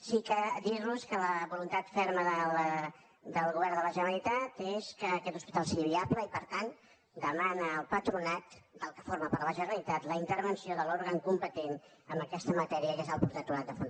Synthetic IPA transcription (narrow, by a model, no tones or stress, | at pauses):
sikəd̪iɾluskələβulunt̪at̪fɛɾməðə | d̪əlˠɣuβɛɾðələʒənəlit̪at̪eskəːkɛt̪u̥spit̪alˠsiəβiapləipəɾt̪an | d̪əmanəːlˠpət̪ɾunat̪d̪əlˠkəfoɾməpəɾləʒənəlit̪at̪ləint̪əɾβənsioðəloɾɣəŋkumpət̪enəmbəkɛst̪əmət̪ɛɾiəkezəlˠpuɾut̪at̪uɾat̪̚d̪əfun